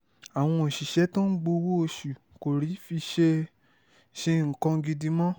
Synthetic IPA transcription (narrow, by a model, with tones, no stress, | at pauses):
a˨w̃ɔ̃˧o˨ʃi˨ʃɛ˨˦tõ˦ɡ͡bo˧wo˦o˧ʃu˨ | ko˨ɾi˨˦fi˧ʃe˧ | ʃe˧ŋ̩˨kã˧ɡi˧di˧˦mɔ̃˦